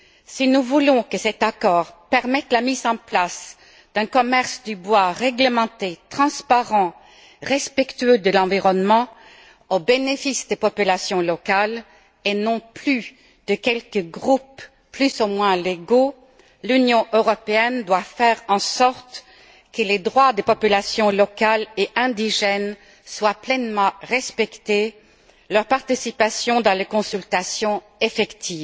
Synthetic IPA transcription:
sinuvulɔ̃kəsɛt̪akɔːʁpɛʁmɛt̪lamizɑ̃plas | d̪̥ɛ̃kɔmɛʁsd̪ybwaʁɛɡləmɑ̃t̪et̪χɑ̃spaʁɑ̃ | ʁɛspɛkt̪yød̪əlɑ̃viʁɔnmɑ̃ | obenefisd̪epɔpylasjɔ̃lɔkal | enɔ̃ply | d̪̥əkʲɛlkəɡʁup | plysomwɛ̃leɡo | lynjɔ̃ʔøʁɔpeɛnd̪wafɛʁɑ̃sɔʁt̪ | kəled̪ʁwad̪epɔpylasjɔ̃lɔkaleʔɛ̃d̪iʒɛn | swaplɛnmɑ̃ʁɛspɛkt̪e | lœʁpaʁt̪isipasjɔ̃d̪ɑ̃lekɔ̃sylt̪asjɔ̃ | efɛkt̪ʰiːv

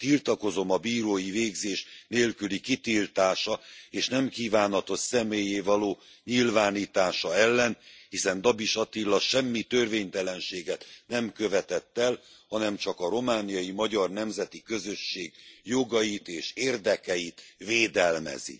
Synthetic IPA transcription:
t̪ilt̪ɒko̞zo̞mɒbiːɾoːjiveːɡzeːʃneːlkylikit̪iːlt̪aːʃɒeːʃnɛmkiːvaːnɦɒt̪o̞tsɛmeːjeːvɒloː | ɲilvaːniːt̪aːʃɒɛlːɛnhisɛnd̪ɒbiʃɒt̪ilːɒʃɛmːit̪ørveːɲt̪ɛlɛnʃeːɡɛt̪nɛmkø̞vɛt̪ɛt̪ːɛlhɒnɛmt͡ʃɒkɒɾo̞maːnijɒjimɒɟɒrnɛmzɛt̪ikø̞zø̞ʃːeːɡjo̞ɡɒjit̪eːʃeːrd̪ɛkɛjit̪veːd̪ɛlmɛ̰zḭ

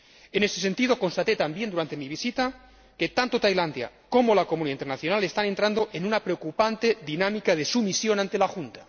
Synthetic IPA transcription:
e̞ne̞st̪e̞se̞nt̪iðo̞ko̞nst̪at̪e̞t̪ambjend̪uɾant̪e̞miβ̞isit̪a | ke̞t̪ant̪ot̪ajland̪ja̰ | ko̞molakomuniaint̪eɾnaθjonale̞st̪ane̞nt̪ɾand̪o̞ʔenunapɾeokupant̪e̞ðinamikaðesumisjo̞nãnt̪e̞laxunt̪ḁ

